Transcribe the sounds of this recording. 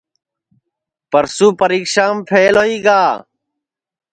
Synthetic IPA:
pɐɾsupɐɾiːkʃaːmpʰeːloiːɡaː

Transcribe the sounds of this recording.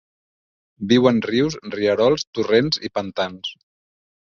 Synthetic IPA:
biwənriwsriəɾɔlˠst̪urenzipənt̪ans

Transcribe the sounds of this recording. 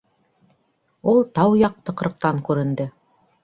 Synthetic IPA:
ulˠt̪ɑwjɑq̚t̪ɤ̆qɾɤ̆q̚t̪ɑŋkʉɾɘ̆nd̪ɘ

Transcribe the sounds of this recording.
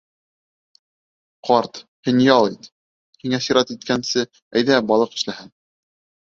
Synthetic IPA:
qʰɑɾt̪hɘ̆njɑlˠit̪ | hiŋæsiɾɑt̪it̪̚kænsɘ | æjðæbɑlˠɤqɘ̥̆ʃlæhɘn

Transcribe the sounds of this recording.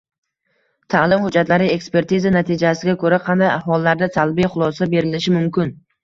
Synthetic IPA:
t̪ʰalɪmhʊd͡ʒːat̪laɾɪe̞kspe̞ɾt̪izanat̪ʰid͡ʒasɪɡʲakʰoɾaqʰɑnd̪ajaɦɒlˠːaɾd̪asalˠbijχʊlˠɒsabe̞ɾɪlɪʃɪmʊmkʲɪn

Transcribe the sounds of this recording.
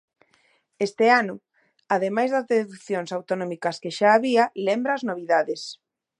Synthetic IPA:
est̪ɪanʊ | aðemajzðɐzðeðukθjoŋsawt̪onɔmikɐskeʃaːβiɐlembɾɐːznoβiðaðes

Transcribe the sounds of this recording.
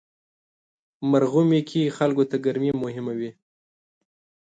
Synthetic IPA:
maɾɣumekʰixalkot̪aɡaɾmemʊɦɪmawi

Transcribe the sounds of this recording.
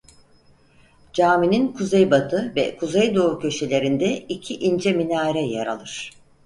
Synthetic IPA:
d͡ʒaːmininkʰuzejbat̪ʰɯvɛ̰kʰuzejd̪o̞ːucʰø̞ʃe̞lʲe̞ɾind̪ɛicʰiʔind͡ʒɛminaːɾɛja̰ɾa̰lˠɯɾ̥

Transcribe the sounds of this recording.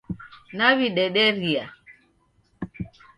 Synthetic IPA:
naβiɗɛɗɛɾia

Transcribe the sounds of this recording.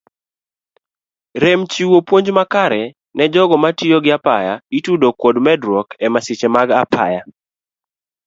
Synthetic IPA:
ɾɛmt͡ʃiwopwoɲd͡ʒmakaɾɛ | nɛd͡ʒɔɡɔmatioɡɪapajaitudokwodmɛdɾwɔkɛmasɪt͡ʃemaɡapʰa̰ja

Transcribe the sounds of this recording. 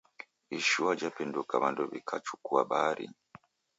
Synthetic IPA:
iʃuwad͡ʒapɛndukaβanduβḭkʰat͡ʃukuaɓaɾḭ

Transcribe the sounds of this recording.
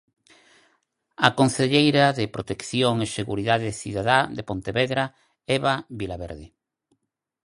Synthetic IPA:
akonθeʎejɾaðepɾot̪ekθjoŋeseɣuɾiðaðeθiðaðaðepont̪eβeðɾa | ɛβaβilaβeɾðɪ

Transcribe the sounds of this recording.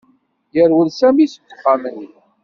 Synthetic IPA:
jəɾwəlsæmisə̥t̪ːə̥qːamənːi

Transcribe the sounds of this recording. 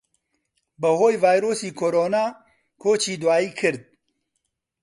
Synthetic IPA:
bəɦoːjvaːjɾoːsiːkʰoːɾoːnaː | kʰoːt͡ʃʰiːd̪waːiːkʰɨɾd̪̚

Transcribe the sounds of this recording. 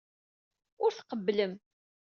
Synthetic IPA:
ʊɾθqəbːləm

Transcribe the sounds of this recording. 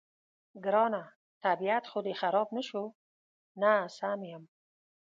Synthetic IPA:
ɡɪɾɔna | t̪ʰabiat̪χʊd̪exaɾɔbnəʃo | nasamejam

